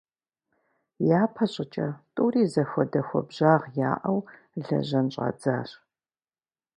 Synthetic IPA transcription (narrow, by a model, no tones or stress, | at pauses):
jaːpʰɐɕʼɪt͡ʃʼɐtʼuːriːzɐxʷɔdɐxʷɔ̰bʑaːʁja̰ːʔɐw | ɮɐ̰ʑɐnɕʼɐ̰d͡zaːɕ